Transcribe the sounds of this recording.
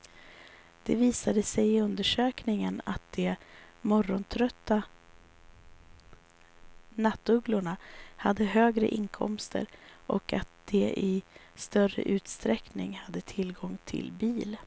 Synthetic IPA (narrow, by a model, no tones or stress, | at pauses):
d̪̥ɛviːsad̪əsɛjɪɵnd̪əʂøːknɪŋəna̰t̪̚d̪̥ɛmɔɾːɔnt̪ʰɾœt̪ːa | nat̪ːɵɡlʊɳahad̪ːəɦøːɡɾə̰ʔɪnkʰɔ̰mst̪ʰə̰ɾʔɔkat̪̚d̪̥ɛɪst̪œrə̰ʔʉ̟ːt̪st̪ɾɛknɪ̰ŋhad̪ːət̪ʰɪlɡɔŋt̪ʰɪ̰lbiːl